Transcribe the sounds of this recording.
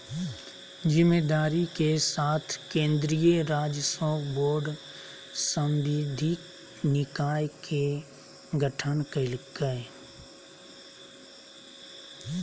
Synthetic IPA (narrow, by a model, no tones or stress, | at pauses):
d͡ʒɪmed̪aːɾikesaːt̪ʰkẽːnd̪ɾijəɾaːd͡ʒəsɔːboːɾɖ | sə̃mʋid̪ʱik | nɪkaːjkʰe | ɡəʈʰənkəlkə